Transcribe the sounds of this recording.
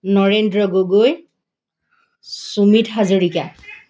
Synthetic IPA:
nɔɹendɹɔɡoɡoj | sumitɦazoɹika

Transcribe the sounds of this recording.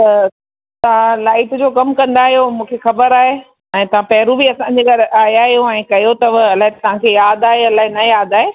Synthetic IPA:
t̪ɐ | t̪ɐʋ̤ãlaːɪʈd͡ʑoːkɐmkɐ̃nd̪aːɦijomũːkʰexɐbəɾaːɦe | ɛ̃ːt̪ɐʋ̤ãpɐɦɾubiɐsãɲd͡ʑeːɡɐɾʔaːɦiaːɦijoɛ̃ːkɐjot̪ɐʋɐlaːɦet̪ɐʋ̤ãkʰejaːd̪aːɦeɐlaːɦenɐjaːd̪aːɦe

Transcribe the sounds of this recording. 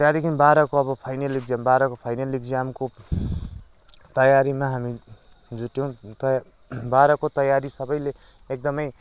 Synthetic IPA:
t̪jad̪ekʰimbaɾʌkoʌbʌpʰajnelik̚d͡zambaɾʌkopʰajnelikd͡zamko | t̪ʌjaɾimaɦami | d͡zuʈjow̃t̪ʌj | baɾʌkot̪ʌjaɾisʌbʌjle | ek̚d̪ʌmʌj

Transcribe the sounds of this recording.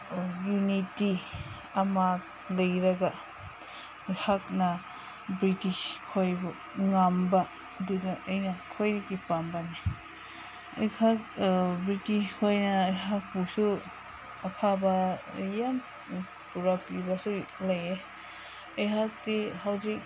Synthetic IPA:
juniti | amat̚ | lɐjɾaɡa | jhakna | bɾitiskʰojbu | ŋamba | dudaʔəjnakʰojɾikipambani | ɐ̰jkʰak̚bɾitiskʰojnaːjɦak̚busu | ɐpʰabajam | puɾapibasulaje | ɐjɦak̚dihawzik̚

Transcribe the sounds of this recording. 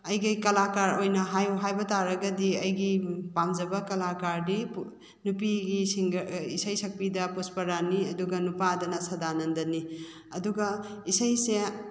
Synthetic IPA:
ɐjɡɐjkɐlakaɾojnɐɦajuɦajbɐtaɾɐɡɐdiɐjɡipamd͡ʒɐbɐkɐlakaɾdip | nupiɡisiŋisɐjsɐk̚pidɐpuspɐɾaniɐduɡɐnupadɐnɐsɐdanɐndɐni | ɐduɡɐisɐjse

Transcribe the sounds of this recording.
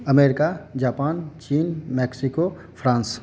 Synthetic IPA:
ɐmeːɾɪkad͡ʒaːpaːnt͡ʃiːnmɛːksiko | pʰɾãːns

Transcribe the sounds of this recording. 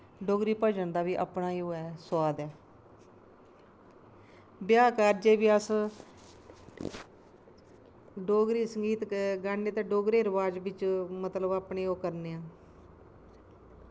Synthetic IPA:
ɖoːɡɾiːpəːd͡ʒənd̪aːʋiːʔa̰pnaːiːoːɛːswaːd̪ɛː | bɪjaːkaːɾd͡ʒeːʋiːəs | ɖoːɡɾiːsəŋɡiːt̪ɡaːnːeːt̪eːɖoːɡɾeːɾəʋaːd͡ʒʋɪt͡ʃmət̪ləbaːpɳeːoːkəɾneːãː

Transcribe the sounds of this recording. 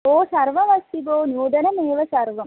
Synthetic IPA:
oːsɐɾʋɐʋɐsːiboːnjuːɖɐnəmeːʋəsɐɾʋɐm

